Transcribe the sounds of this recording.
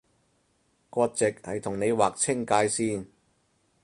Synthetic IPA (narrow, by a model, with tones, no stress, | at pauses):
kɔː˧t̚t͡sɪ˨k̚hɐ˨jt̪ʰʊ˨˩ŋne˨˧jwaː˨k̚t͡sʰɪ˥ŋkaː˧jsiː˥˩n